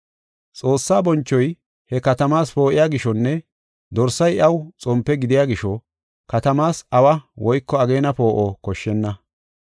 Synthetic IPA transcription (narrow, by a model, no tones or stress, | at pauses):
t͡sʼoːsːaːbɔnt͡ʃːɔj | hɛkɐt̪ɐmaːspo̞ːʔɪjaːɡɪʃɔnːɛ | d̪ɔɾsːɐjɐwt͡sʼɔmpːɛɡɪd̪ɪjaːɡɪʃɔ | kɐt̪ɐmaːsɐwɐwɔjkːɔɐɡeːnɐpo̞ːʔokɔʃːɛnːɐ